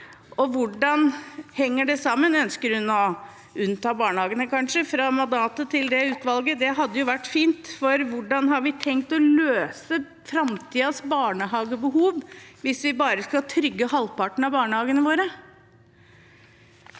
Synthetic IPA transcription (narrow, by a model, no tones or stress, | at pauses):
ɔʋʊɖɑnhɛŋːəɖɛsɑmːənœnskəɾhʉnɔ | ʉnːt̪ɑːbɑːɳəhɑːɡənəkɑnʂəfɾɑmɑnd̪ɑːt̪ət̪ʰɪld̪ɛʉːt̪ʋɑlɡəd̪ɛɦɑd̪ːəjʊʋæʈːfiːnt̪fɔɾʋʊɖɑnɦɑɾʋɪt̪ʰɛŋk̚t̪ɔløːsə | fɾɑmt̪ʰiːɑsbɑːɳəɦɑːɡəbəɦuːʋʋɪsʋɪbɑːɾəskɑlt̪ʰɾʏɡːəhɑlpɑʈɳ̩ɑbɑːɳəhɑːɡənəʋoːɾə